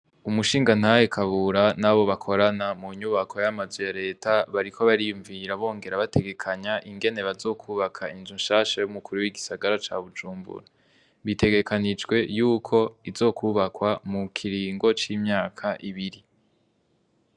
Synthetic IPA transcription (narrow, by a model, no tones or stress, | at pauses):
umuʃiːŋɡan̥haje̞kʰaβuɾanaβo̞βakʰo̞ɾanamuɲuβakʰo̞jamazwejaɾe̞ːtaβaɾikʰo̞βaɾijuɱviɾaβo̞ːŋɡe̞ɾaβatʰe̞ɡe̞kʰaɲaʔiŋɡe̞ne̞βazo̞ːkʰuːβakʰainzunʃaːʃajumukʰuɾuwiɡisaɡaɾat͡ʃa̰βud͡ʒuːmbṵɾa | βitʰe̞ɡe̞kʰanid͡ʒɡwe̞juːkʰo̞izo̞ːkʰuβakwamukʰiɾiːŋɡo̞t͡ʃiːmɲaːkʰaʔiβiɾi